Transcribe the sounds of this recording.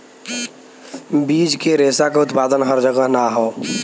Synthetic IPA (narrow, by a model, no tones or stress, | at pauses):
biːd͡ʒkeɾeːsakaʊt̪paːd̪ənɦəɾd͡ʒəɡəɦnaɦoː